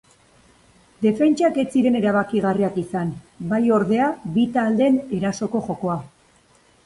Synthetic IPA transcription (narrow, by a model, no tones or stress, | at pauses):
d̪e̞fe̞nt͡ʃake̞t͡siɾe̞ne̞ɾaβ̞akiɣariakisan | bajo̞ɾðe̞aβit̪ald̪e̞ne̞ɾaso̞ko̞ʝo̞ko̞a